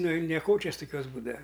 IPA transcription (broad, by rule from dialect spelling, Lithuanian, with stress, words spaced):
ˈnʊ ɪ nʲɛˈkoːt͡ʃʲɛs tʊˈkʲuɔs ˈbuːdɐʋɐ